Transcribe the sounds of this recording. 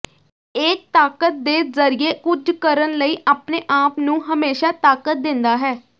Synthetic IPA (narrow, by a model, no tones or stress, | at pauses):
eːk̚t̪aːkət̪̚d̪eːzəɾɪeːkʊd͡ʒkəɾənləiːʔaːpneːʔaːpnũːɦəmeːʃaːt̪aːkət̪̚d̪ɪ̃nd̪aːɦɛː